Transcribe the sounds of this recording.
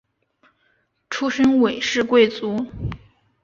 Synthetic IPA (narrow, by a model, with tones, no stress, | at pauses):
ʈ͡ʂʰu˥ʂə˥nwe˨˩ɪʂɻ̩˥˧kwe˥˩ɪt͡su˧˥